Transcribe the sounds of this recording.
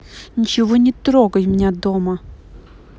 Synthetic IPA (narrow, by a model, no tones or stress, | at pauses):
nʲit͡ʃɪvonʲɪt̪ɾoɡəjmʲnʲad̪omɐ